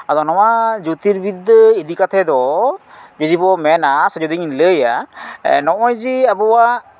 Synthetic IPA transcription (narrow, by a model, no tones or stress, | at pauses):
ad̪ɔnɔmad͡ʒut̪iɾbid̪id̪ikat̪ʰɛd̪ɔ | d͡ʒud̪ibɔmɛnasd͡ʒud̪iɲləja̰ | nɔʔɔjd͡ʒiabɔwa